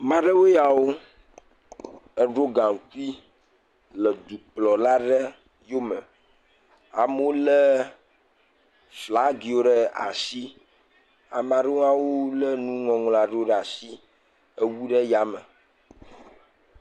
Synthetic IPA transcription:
mã˦ɖə˦wo˦ja˨wo˦ | ə˦ɖo˦ɡã˨ŋ˨ku˦i˦ | lə˨d̪u˨k͡plɔ˨la˦ɖə˦ | jo˦mɛ̃˨ | a˨m˦o˦lə˦ | fla˨˦ɡi˨wo˦ɖɛ˦a̰˨si˦ | a̰˨mã˨ɖe˦a˦wo˦lə˦nũ˦ŋɔ̃˨ŋlɔ̃˨a˨ɖe˦o˦ɖɛ˦˨a˨si˦ | ə˦wu˦ɖɛ˦ja˨mə˨

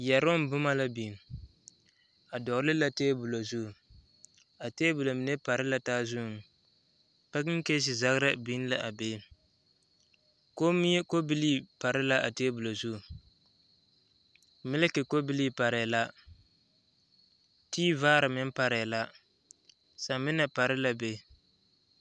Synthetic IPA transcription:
jɛ˨ɾo˦m˨bʊ˦ma˦la˦bi˨n˨ | a˨dɔ˨ɡlɪ˦la˦teː˦bu˨lo˨zu˦˨ | a˨teː˦bu˨lo˨mɪ˨ne˦pa˨ɾɪ˦la˦taː˦zʊ˦˨ŋ | pɛ˦kɪ˦ŋ˦ke˦s̬ɪ˨za˦ɣɾa˦bi˦n˦la˦ʔa˨beː˦ | ko˦mi˦ɛ˦ko˦bɪ˦li˦pa˨ɾɪ˦la˦ʔa˨teː˦bu˨lo˨zu˦˨ | mɪ˦lɪ˦kɪ˨ko˦bɪ˦li˦pa˨ɾɛ˨la˦ | tiː˦vaː˦ɾɨ˨mɪ˦n˦pa˨ɾɛ˨la˦ | sa˨mɪ˦na˨pa˨ɾɪ˦la˦be˦

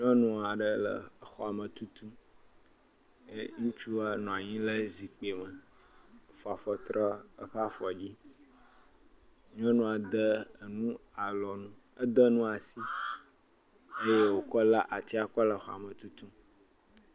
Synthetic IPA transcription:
ɲɔ̃˦nũ˦a˨ɖə˦lə̰˨xɔ˨a˨mə̃˨t̪u˦t̪u˦ | ŋũ˦t͡ʃu˦a˦nɔ̃˨a˨ɲĩ˦lə˦zi˨k͡pe˨mə˨ | fɔ˨a˨fɔ˨t̪ɾɔ˦ə˦ɸa˦fɔ˨d͡ʑi˦ | ɲɔ̃˦nũ˦a˨d̪ə˦˨nũ˦a˨lɔ˨nũ˦ | ə˦d̪ə˦nũ˦a˨si˦ | e˦je˦wo˨kɔ˦la˦ʔa˨t͡ɕi˦a˨kɔ˦lə˨xɔ̰˨a̰˨mə̃˨t̪u˦t̪u˦

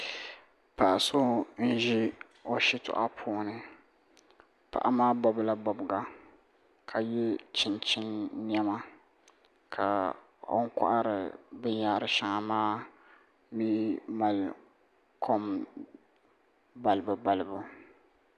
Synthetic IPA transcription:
pa˨ʔa˨so˦n̩˦ʒi˦ | o˨ʃi˦tʊ̰˨ʔa˦pʰoː˦nɨ˨ | pa̰˨ʔa˦maː˦bɔ˦bla˦bɔ˨bɡa˨ | kʰa˨jɛ˦t͡ʃɪ˨nt͡ʃɪ˦nː˦ɛ˦ma˦ | kʰa̰˨ | o̰˦ŋ̩˦ka̰˦ʔa˦ɾɨ˨bɨ˦ɲaː˦ɾɨ˨ʃa˨ŋa˨maː˦ | miː˦ma˨l | kʰo˦m | ba˨lɨ˨bɨ˨ba˨lɨ˨bu˨

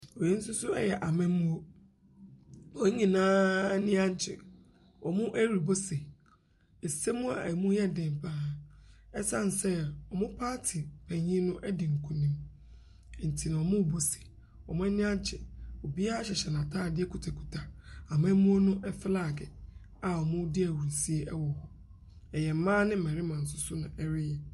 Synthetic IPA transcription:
ɔ˨je˦n̩˦sʊ˦sʊ˦ɛ˦jɛ˨ʔa˨mɛ̃˦m̩˦mũ˦o˦ | ɔ˨˦ɲĩ˨nãː˦nɪ̃˦ã˦ɲ̩˨t͡ɕʰɪ̰˨ | ɔ˨mʊ̃˦ʔæ˦ɾi˨bo˦se˨ | e˨se˦mʊ̃˦a̰˨mũ˦jɛ˦˨dɪ̃˨m˨pʰaː˦˨ɛ˦sã˦n̩˨sɛ˦ɔ˨mʊ̃˦pʰaː˦tʰɪ˨pʰɛ̃˨ɲĩ˦nʊ̃˦ʔɛ˦dɪ˨ŋ̩˨kʰũ˨nĩ˨m˨ | n̩˨tʰi˨nã˨ɔ˨mʊ̃˦˨bo˦se̥˨ | ɔ˨mʊ̃˦ɛ˦nɪ̃˦a˦t͡ɕʰɛ˨o˨bi˦a˦a˦ɕɛ˨ɕɛ˨nã˨tʰaː˦˨dɪ˦ɛ˦kʰu˨tʰa˨kʰu̥˨tʰa˨a˨mã˦mũ˦o˦nʊ̃˦ʔɛ˦fɪ˦laː˦˨ɡɛ˨ | a˨ɔ˨mʊ̃˦dɪ˦æ˨wu˨ɾi˨si˦e˦ʔɛ˦wɔ˨hɔ˨ | ɛ˨jɛ˨m̩˨mãː˦nɪ̃˦m̩˨mɛ̃˨ɾɪ˦mã˨n̩˨s̬ʊ˨sʊ˦nʊ̃˨ʔɛ˦ɾɪ˦jɛ˦

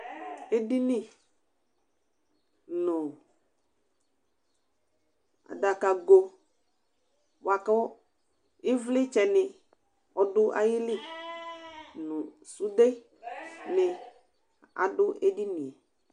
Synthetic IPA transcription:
e˦di˦nɪ˦ | nʊ˨ | a̰˨da˨ka˨ɡo˨ | wa˨ka˦ | ɪ˦vlɪ˦t͡ʃɛ˨nɪ˨ | ɔ˨dʊ˦ʔa̰˦jɪ˦lɪ˦ | nʊ˨su˦de˦ | nɪ˨ | a̰˨dʊ˦ʔe˦di˦ni˨ɛ˨

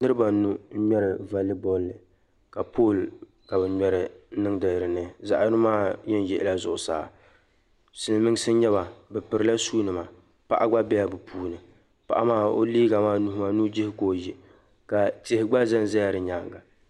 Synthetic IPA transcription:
nɨ˦ɾɨ˦ba˨˦nu˦ɲɛ˦ɾɪ˨va˨li˦bɔ˦lːɨ˨ | ka˨pʰo˦˨l | ka˨bɨ˨ɲɛ˦ɾɪ˨˦nɨ˦ŋdɨ˨ɾɨ˨nɨ˦za˨ʔɨ˦maː˦jɛ˦n˦jɛ˨ʔɪ̰˦˨la˦zʊ˨ʔʊ˨sa̰ː˨ | sɨ˨n˦mɨ˦ŋ˦sɨ˦ɲɛ˦ba˨bɛ˨pɨ˨ɾɨ˦la˦suː˦nɨ˨ma˨ | pa̰˦ʔa˦ɡ͡ba˦bɛ˦ja˨bɨ˨pʰuː˦nɨ˨ | pa̰˨ʔa˦maː˦o̰˦liː˦ɡa˨maː˦nu˨hma˨nu˦d͡ʒɪ˦hɪ˦koː˨ji˨ | ka˨tɪ˨hɪ˨ɡ͡ba˦zɛ˦n˦zɛ˦ja˨ɾɨ˨ɲaː˨˦ŋɡa˨

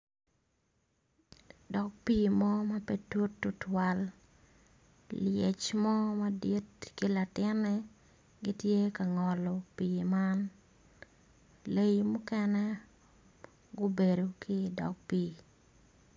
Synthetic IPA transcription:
dɔ˨k̚piː˦mɔ˦ma˦pe˦to˦tːu˦twa˨l | lje˨t͡ʃmɔ˦ma˦di˦tkɪ˦la˨tɪ˦nɛ | ɡɪ˦tje˦ka˨ŋɔ˨lɔ˨piːma˦n | le˦jmʊ˦kɛ˦nɛ˦ | ɡʊ˦be˨do˨kʰɪ˦dɔ̰˨k̚piː

